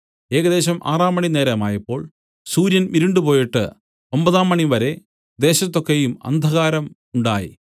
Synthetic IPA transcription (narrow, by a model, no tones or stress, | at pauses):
e̞ːɣɐd̪e̞ːɕɐmʔa̰ːraːmːɐɳine̞ːɾɐmaːjɐpːo̞ːɭ | suːɾjɐnʋiɾiɳɖɨpo̞ːjiʈːɨ̰ | ombɐðaːmːɐɳiʋɐɾe̞ | d̪e̞ːɕɐt̪ːo̞kːejumɐ̰nd̪ʱɐɣaːɾɐm | uɳɖaːjḭ